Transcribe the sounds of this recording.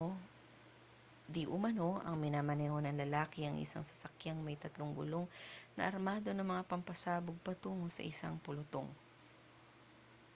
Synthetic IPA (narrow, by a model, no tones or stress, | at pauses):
d̪iʔʊmɐno̞ʔɐ̰ŋmɪnaːmɐnɛhonɐŋlɐlaːkɪɐŋʔɪ̰sa̰ŋsɐ̥sɐkjaŋmɐjt̪ɐt̪loŋɡʊ̰lo̞ŋnɐ̰ʔɐɾmaːd̪o̞nɐŋmɐŋapɐmpɐsaːbʊɡ̚pɐt̪uːŋosɐ̰ʔɪsaŋpʊlʊt̪o̰ŋ